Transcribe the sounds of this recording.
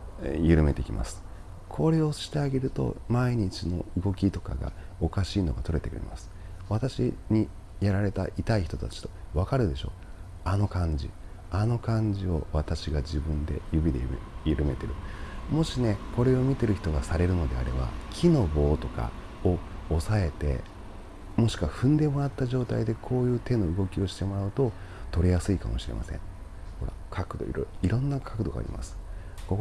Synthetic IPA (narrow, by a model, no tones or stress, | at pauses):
jɯ̟ɾɯ̟me̞t̪e̞kʲimʔa̰sɨ̥ | kʰo̞ɾe̞o̞ɕi̥t̪e̞aɡe̞ɾɯ̟t̪o̞̰maiɲ̟it͡ɕino̞ɯ̟ɡo̞kʲit̪o̞ka̰ɡa̰o̞kaɕiːno̞ɡat̪o̞ɾe̞t̪e̞kɯ̟ɾe̞̰masɨ̥βat̪aɕiɲ̟i | jaɾaɾe̞t̪a̰ʔit̪aiçi̥t̪o̞t̪at͡ɕi̥t̪o̞βakaɾɯ̟d̪e̞ɕo̞̰ː | ano̞kãɲ̟d͡ʑḭ | ano̞kãɲ̟d͡ʑio̞βat̪aɕiɡad͡ʑibɯ̟̃nd̪e̞̰jɯ̟bʲid̪ejɯɾɯ̟me̞t̪e̞ɾɯ̟mo̞ɕine̞ko̞ɾe̞o̞mʲit̪e̞ɾɯ̟çi̥t̪o̞ɡasaɾe̞ɾɯ̟no̞d̪e̞a̰ɾe̞ba̰kʲʰino̞bo̞ːt̪o̞ka̰ | o̞ːsae̞t̪e̞̰ | mo̞ɕi̥kɯ̟βaɸɯ̟̃nd̪e̞mo̞ɾat̪ːaʑo̞ːt̪aid̪e̞kʰo̞ːjɯ̟ːt̪e̞no̞ɯ̟ɡo̞kʲio̞ɕi̥t̪e̞mo̞ɾaɯ̟t̪o̞t̪o̞ɾʲijasɨika̰mo̞̰ɕiɾe̞ma̰sẽ̞̰ŋ | ho̞ɾa̰ | kʰakɯ̟d̪o̰iiɾõ̞nːakʰakɯ̟d̪o̞ɡa̰ːɾʲḭmʔa̰sɨ̥ | ko